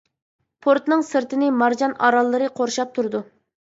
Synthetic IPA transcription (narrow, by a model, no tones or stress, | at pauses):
pʰoɾt̪nɨŋsɨɾt̪ɪnɪmɑɾd͡ʒɑnɑɾɑlˠːɨɾɨqʰoɾʃɑp̚t̪ʰuɾɨd̪u